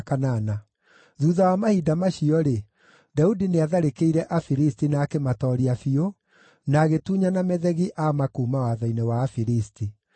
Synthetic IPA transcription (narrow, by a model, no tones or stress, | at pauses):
kanana | ðuːðawamahiːdamaɕiɔɾe | daudineaðaɾekeiɾɛʔafiɾistinaːkematɔːɾiafio | naːɣetuːɲanamɛðɛɣiʔamakuːmawaðainɛwaːfiɾisti